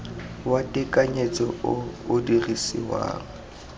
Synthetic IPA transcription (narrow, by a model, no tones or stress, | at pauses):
watʼɪkʼaɲet͡sʼɔʊʊdirisḭwa̰ːŋ̩